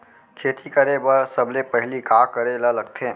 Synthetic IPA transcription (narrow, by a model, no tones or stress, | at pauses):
kʰeːt̪ikəɾebəɾsəblepəɦɪlikaːkəɾelələɡt̪ʰẽː